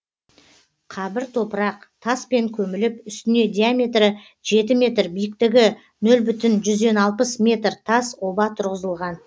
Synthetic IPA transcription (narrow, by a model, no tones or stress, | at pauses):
qʰɑbɪɾt̪ʰo̞pəɾɑqt̪ʰɑspe̞ŋkʲʰɵmɪlɪpʏst̪ɪne̞d̪ʲiamʲe̞t̪rə | ʒe̞t̪ɪmʲe̞t̪rbijɪk̚t̪ɪɡʲɪ | nɵlbʏt̪ɪnʒʏzd̪e̞nɑlˠpəsmʲe̞t̪rt̪ʰɑso̞bɑt̪ʰʊɾʁəzəlˠʁɑn